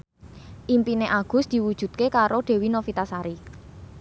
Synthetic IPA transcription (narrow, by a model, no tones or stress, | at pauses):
ʔimpineʔaɡ̥ʊ̤sd̪̥i̤wud̥ʒ̥ṳt̪̚kekaɾoɖ̥e̤winofit̪asaɾi